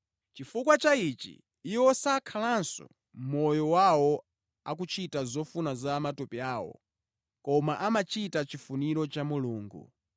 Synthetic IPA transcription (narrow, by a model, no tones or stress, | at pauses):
t͡ʃifukwat͡ʃait͡ʃḭː | wɔsakʰalansɔ̰ | mɔjɔwawɔ | ak̬ut͡ʃʰitazɔfunazamatɔpiaːwɔ̰ | kɔmaʔamat͡ʃitat͡ʃifuniɾɔt͡ʃamuluːŋɡṵ